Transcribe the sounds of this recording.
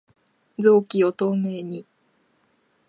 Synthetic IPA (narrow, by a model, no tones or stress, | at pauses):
d͡zo̞ːkʲiot̪o̞ːme̞ːɲ̟i